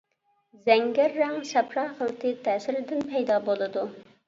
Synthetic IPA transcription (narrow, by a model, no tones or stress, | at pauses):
zɛŋɡʲæɾːæŋsɛpɾɑːχəlˠt̪ɨt̪ʰæːsɪɾɪd̪ɪnpʰɛjd̪ɑːbolˠɨd̪u